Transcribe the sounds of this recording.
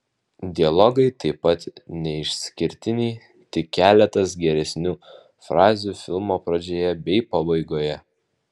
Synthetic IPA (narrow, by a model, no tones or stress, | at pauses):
d̪ʲɪɐlˠɔɡɐɪt̪ɐɪpːɐt̪nʲɛɪʃʲsʲkʲɪɾʲt̪ʲɪnʲiː | t̪ʲɪkʲːæːlʲɛt̪ɐsɡʲɛɾʲɛsʲnʲuː | fɾɑːzʲuːfʲɪlˠmoːpɾɐd͡ʒʲoːjɛbʲɛɪpɐbɐɪɡoːjɛ